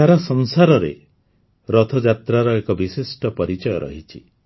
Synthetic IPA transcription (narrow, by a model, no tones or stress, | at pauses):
aɾɔsɔŋsaɾɔɾḛ | ɾɔt̪ʰɔd͡ʒat̪ɾaɾɔekɔbisisʈɔpɔɾit͡ʃɔjɔɾʔɔ̰ɦit͡ʃʰi